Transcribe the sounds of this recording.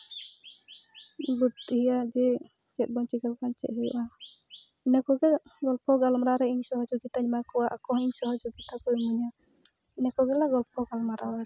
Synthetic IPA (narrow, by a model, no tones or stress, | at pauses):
but̪hijad͡ʒɛ | t͡ʃɛt̪̚bɔɲt͡ʃikalkant͡ʃɛ̰ʔ̪ɦijɔ̰ʔa | ɛnɛkɔɡɛɡɔlpɔɡalɔmɾaɾɛiɲsɔɦɔd͡ʒɔɡit̪aɲimakɔwaʔakɔɦiɲsɔɦɔd͡ʒɔɡit̪akɔjmuɲa | ɛnɛkɔɡɛlaɡɔlpɔɡalɔmaɾawaɾ